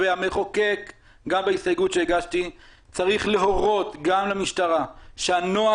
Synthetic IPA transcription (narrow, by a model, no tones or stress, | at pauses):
veameχo̞kek | ɡambeisajɡutʃeiɡaʃt̪i | t͡saʁiχleɦo̞ʁo̞t̪ɡamlemiʃtaʁaʃeano̞a